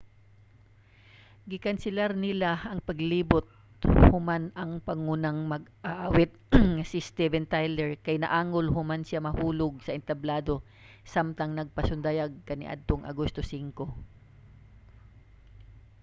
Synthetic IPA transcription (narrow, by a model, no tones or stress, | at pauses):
ɡɪkɐnsɪlaɾnɪlaʔɐŋpɐɡliːbʊt̪̚ | hʊmanɐŋpɐŋunɐŋmɐɡʔaʔawɛt̪̚ŋɐsɪst̪ɛvɛnt̪ajlɛɹkɐjnɐ̰ʔaːŋolɦʊmansjamɐhuːloɡ̚sɐʔɪnt̪ɐblaːd̪o̞ | samt̪ɐŋnɐɡ̚pɐsʊnd̪ɐjaɡ̚kɐnɪ̰ʔa̰d̪̚t̪oŋʔɐ̰ɡost̪osiŋko̞